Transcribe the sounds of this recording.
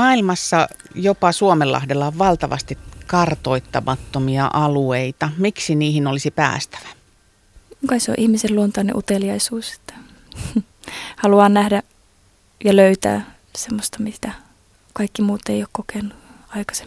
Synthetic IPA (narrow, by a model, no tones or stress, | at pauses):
ɑilmɑsːɑ | jopɑsuomelːɑ̰hdelːɑoʋʋɑlt̪ɑʋɑ̰st̪ikkɑrt̪oit̪ːɑmɑt̪ːomiɑ̰ʔɑlueit̪ɑmiksiniːhinolisipæ̰ːst̪æ̥ʋæ̥ | ukɑiso̰ʔihmiselluont̪ɑˑnḛʔut̪eljɑisuːse̥t̪ːæ̥ | hɑluɑːnnæhdæ | jɑløyt̪æ̰ː | semːost̪ɑmit̪æ | kɑikːimuːt̪eioːkkokenːu | ɑikɑ̥se̥m